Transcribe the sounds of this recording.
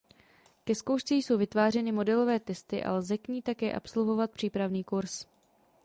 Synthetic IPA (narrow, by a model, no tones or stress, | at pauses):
kɛskowʃt͡siːjso̞wvɪt̪vaːr̝ɛnɪmo̞dɛlo̞vɛːt̪ɛst̪ɪʔa̰lzɛkɲiːt̪akɛːʔa̰pso̞lvo̞vat̪̚pr̝̥iːpɾavniːkuɾs